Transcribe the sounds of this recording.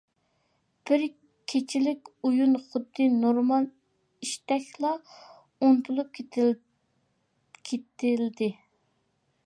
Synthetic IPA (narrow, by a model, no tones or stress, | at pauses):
b̥ɪɾ | kʲʰet͡ʃʰɪlɪkʲujunχʊd̪ːɨnoɾmɑlˠ | iʃt̪ɛkʲlˠɑ | ont̪ʰulˠup̚kʲʰet̪ | kʲʰet̪ɪld̪ɪ